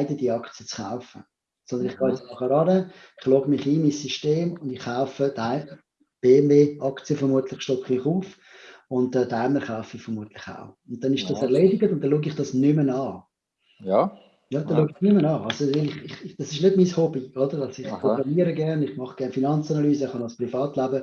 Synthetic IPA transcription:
aɪdəd̥iɑkt͡sijət͡sχa̰ʊfə | sɔnd̪ənɪχɡ̥ɑːɛtt͡snɑχəɾɑnəɪχlɔɡəmɪχiːnmisːyʃteːmʊndɪχːaʊfədaɪə | b̥eːɛmveːɑkt͡sijəfəɾmuətlɪχʃtɔpχmɪχuːf | ʊntɛdaɪməɾχaʊfifəɾmuətlɪχa̰ʊʊnt̚tɛnɪʃd̥ɑsɛʁleːdiɡətʊnt̪ːɛnluːɡɪχd̥ɑsnʏmənɑː | jɑːd̥̪ɛnluːɡiχnʏmənɑːɑlsovɪlɪχɪχd̥ɑsɪʃnɪdmiːshɔbiodəɾɑsɪχɔbɛniəɾəɡɛʁnɪχmɑχɡ̥ɛɐnfinɑnt͡sɑnɑlyːsəχɑnɑspʁifɑːtlabə

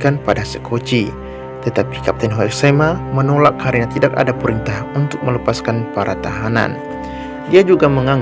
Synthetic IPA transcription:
kanpadasəkʰot͡ʃi | t̪ət̪api̥kap̚t̪ɛnɦoɛksamamənolak̚ːhaɾinat̪idaka̰dapəɾint̪ahunt̪ʊk̚mələpaskanpaɾat̪aɦana̰n | diad͡ʒuɡaməŋaŋ

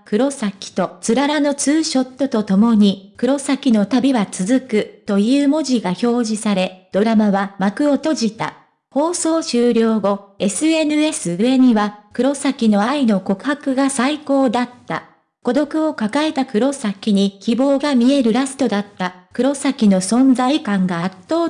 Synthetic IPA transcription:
kɯ̟ɾo̞sakʲi̥t̪o̞t͡sɨɾaɾano̞t͡sɨːɕo̞t̪ːo̞t̪o̞t̪o̞mo̞ɲ̟ikɯ̟ɾo̞sakʲino̞t̪abʲiβat͡sɨzɨkɯ̟t̪o̞jɯːmo̞ʑiɡaço̞ːʑisaɾe̞d̪̥o̞ɾamaβamakɯ̟ot̪o̞ʑit̪a̰ | ho̞ːso̞ːɕɨːɾʲo̞ːɡo̞e̞sɨe̞nɯ̟e̞sɨɯ̟e̞ɲ̟iβakɯ̟ɾo̞sakʲino̞aino̞ko̞kɯ̟hakɯ̟ɡasaiko̞ːd̪at̪ːa̰ | ko̞d̪o̞kɯ̟o̞kakae̞t̪akɯ̟ɾo̞sakʲiɲ̟ikʲibo̞ːɡamʲie̞ɾɯ̟ɾasɨ̥t̪o̞d̪at̪ːakɯ̟ɾo̞sakʲino̞sõ̞nd͡zaikãŋɡaːt̪ːo̞ː

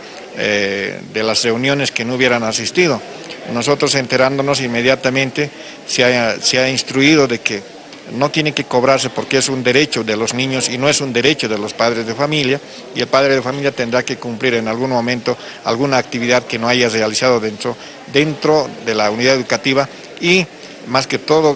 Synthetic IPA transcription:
ed̪e̞lasre̞unjo̞ne̞skenouβje̞ɾanasist̪ið̞o̞ | no̞so̞t̪ɾo̞se̞nt̪e̞ɾand̪o̞no̞s̬inme̞ðjat̪amẽnt̪e̞ | saseainst̪ɾuiðo̞ðe̞ke | no̞t̪je̞ne̞ke̞ko̞βɾaɾse̞po̞ɾkeesund̪e̞ɾe̞t͡ʃoðelo̞znĩɲo̞sino̞esund̪e̞ɾe̞t͡ʃo̞ðe̞lo̞spaðɾezðefamilja | ie̞lpaðɾeð̞efamiljat̪e̞nd̪ɾake̞kumpliɾe̞nalɣunmõ̞mẽnt̪o̞ | a̰lɣunaːk̚t̪iβiðaðkeno̞aʝarealisað̞o̞ðent̪ɾo̞ | ðe̞nt̪ɾo̞ðe̞launiðaðeðukat̪iβa | i | maske̞t̪o̞ðo

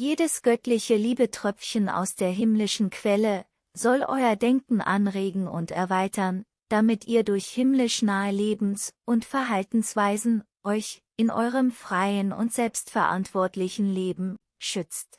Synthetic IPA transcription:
jeːdəsɡ̥œtlɪçəliːbətʁ̥œp͡fçəna̰ʊsd̥eːɐɦɪmlɪʃn̩kʰv̥ɛlə | zɔlʔɔ̰ʏɐdɛŋkŋ̩ʔa̰nʁeːɡŋ̩ʊ̰ntɛ̰ɐvaɪtʰɐn | d̥amɪtiːɐdʊɐçhɪmlɪʃnaːəleːbm̩sʔʊntfɛɐɦaltn̩sv̥aɪzn̩ | ʔɔʏçʔɪnʔɔ̰ʏʁ̞əmfʁ̥aɪənʊ̰ntz̥ɛlpstfɛɐʔa̰ntv̥ɔɐtlɪçn̩leːbm̩ | ʃʏt͡st

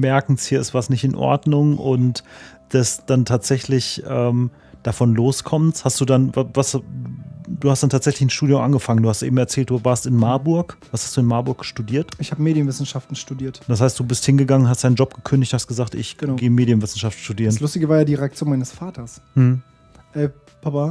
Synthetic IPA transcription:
mɛɐkŋ̩shiːɐɪsv̥aːɐsnɪçtɪnʔɔ̰ɐdnʊŋʔʊnt | d̥ɛsd̥antʰaːtz̥ɛçlɪçʔɛːm | d̥afɔnloːskʰɔmənshastd̥uːdanvavas | d̥uːhastd̥antʰaːtz̥ɛçlɪçɪnʃtuːdjʊmʔanɡəfaŋənduːhastʔeːbm̩ɛɐt͡sɛːlt̚d̥uːvaːɐstɪnmaɐbʊɐkvashastd̥uːɪnmaɐbʊɐk̚əʃtudiːɐtʔɪçhaːbəmeːɾjənvɪsn̩ʃaftn̩ʃtudiːɐtd̥ashaɪstd̥uːbɪsthɪnɡəɡaŋənhastd̥aɪnd͡ʒɔp̚ɡ̥əkʰʏndɪçthastɡ̥əzaːktɪ̰çɡ̥ənːɡeːmeːdijənvɪsn̩ʃaftn̩ʃtudiːʁənlʊstɪɡəvaːɐjaːdiːʁeak̚t͡sjoːnmaɪnəsfaːtʰɐsm̩hm̩ | ʔɛː | pʰapa

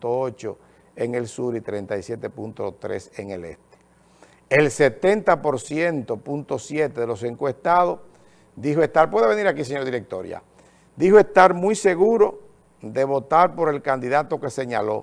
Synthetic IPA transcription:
t̪oot͡ʃo̞̰ | eŋe̞lsuɾit̪ɾe̞nt̪ajsjet̪e̞punt̪ot̪ɾe̞̰seŋele̞̰st̪e̥ | e̞lse̞t̪e̞nt̪apo̞ɾsje̞nt̪o̞punt̪o̞sjet̪eðe̞lo̞se̞ŋkwe̞st̪að̞o̞s | d̪iɦoe̞st̪aɾpwe̞ðeβe̞niɾakis̬eɲo̞ɾðiɾe̞k̚t̪o̞̰ɾj̰a̰ | d̪ihoe̞st̪aɾmujse̞ɣuɾo̞ | d̪e̞βo̞t̪aɾpo̞ɾe̞lkand̪iðat̪o̞ke̞se̞ɲalo̞̰

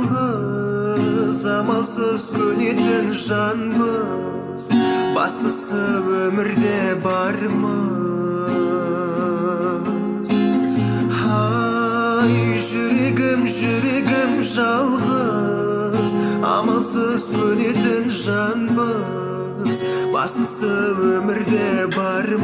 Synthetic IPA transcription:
ʁə | zɑmɑlˠsəz̥kʲʰɵne̞t̪ɪnʒɑnbə | z̥bɑ̰st̪əsəwɵmɪɾd̪ebɑɾmə | z̥ | hɑ | jʒʏɾe̞ɡʲɪmʒʏɾe̞ɡʲɪmʒɑlˠʁə | zɑ̰mɑlˠsəsʰɵne̞t̪ɪnʒɑnbə | zbɑ̰st̪əsəwɵmɪɾd̪ebɑɾ

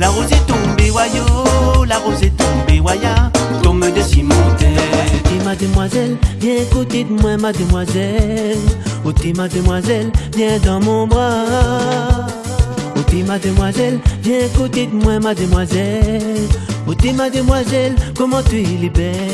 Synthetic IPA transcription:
laʁozet̪ɔ̃bewajolaʁozet̪ɔ̃bewajat̪ɔ̃məd̪əsimɔ̃t̪ɛt̪imad̪əmwazɛlvjɛ̃kut̪it̪̚mwɛ̃mad̪əmwazɛlot̪imad̪əmwazɛlvjɛ̃d̪ɑ̃mɔ̃bʁa | ot̪imad̪əmwazɛlvjɛ̃kut̪it̪̚mwɛ̃mad̪əmwazɛlot̪imad̪əmwazɛlkɔmɑ̃t̪iilibɛ

